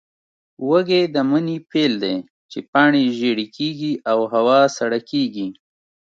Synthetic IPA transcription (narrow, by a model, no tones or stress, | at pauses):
wəɡed̪əmənipeld̪e | t͡ʃepɑɳeʒeɽikʰeɡiawɦawɑsaɽakeɡi